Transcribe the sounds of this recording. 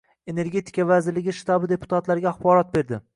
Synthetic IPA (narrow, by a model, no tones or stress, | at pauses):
e̞ne̞ɾɡʲe̞t̪ʰi̥kʰavazɪɾlɪɡʲɪʃt̪abɪd̪e̞pʰʊ̥t̪ʰat̪laɾɡʲaːχbɒɾɒt̪̚be̞ɾd̪ɪ